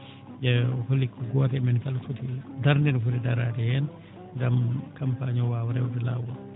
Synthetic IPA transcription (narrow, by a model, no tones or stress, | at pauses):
d͡ʒɛholːikʰːɔɡɔːtɛmɛnfalfutiladaɾndinfutɛdaɾatɛjɛn | ɡamkampaɲɔwawɾɛwdɛlawa